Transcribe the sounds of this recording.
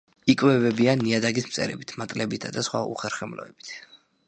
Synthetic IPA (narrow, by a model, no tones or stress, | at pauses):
ikʼwɛvɛbianːiad̪aɡismt̪sʼɛ̰ɾɛbit̪ʰmat̪ʼlɛbit̪ʰad̪asχwa̰ṵχɛɾχɛmlɔ̰ɛb̥i̥t̪ʰ